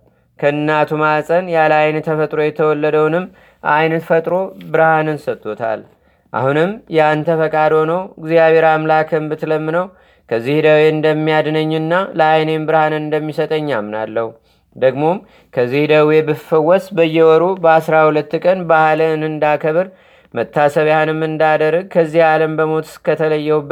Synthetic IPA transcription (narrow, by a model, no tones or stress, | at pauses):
kʰəɨnːat̪ʰumasʼənjaləajnt̪ʰəfət̪ʼɾo̞jɛt̪ʰəwɔlːəd̪əwnɨm | ʔajnfət̪ʼɾo̞bɨɾhanɨnsət̪ʰʼːo̞t̪ʰa̰l | ʔa̰hunɨmjant̪ʰəfəkʼad̪o̞nəwɨɡzijaβeɾamlakʰɨmbɨt̪ləmːɨnəw | kʰəzːihd̪əweɨnd̪əmːijad̪nəɲːɨnːaləajne̞mbɨɾhanɨɨnd̪əmːisət̪ʼəɲːamːna̰lːəhu | d̪əɡmo̞m | kʰəzːihd̪əwe̞bɨfɨwɔsbəjːɛwɔɾubəasɾahulət̪ːkʼənbahlənɨnd̪akʰəβɨɾ | mət̪ʰːasəβjaanɨmɨnd̪ad̪ərːəɡ̚kʰəzːihaləmbəmo̞t̪ɨ̥skʰːət̪ʰələjːɛwb